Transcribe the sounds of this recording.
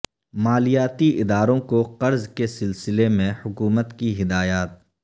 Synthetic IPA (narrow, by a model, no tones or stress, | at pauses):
maːlijaːt̪iʔɪd̪aːɾõkoqɐɾzkesɪlsɪlemẽhʊkuːmət̪kiɦɪd̪aːjaːt̪̚